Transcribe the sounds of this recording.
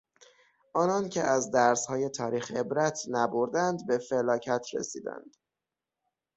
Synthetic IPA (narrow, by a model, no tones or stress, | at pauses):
ʔɒːnɒncʲʰeʔæzd̪æɾshɒːje̞t̪ʰɒːɾiːxe̞bɾæt̪ʰnæboɾd̪ænd̪be̞felɒːcʰæt̪ʰɾḛsiːd̪æ̰nd̪̥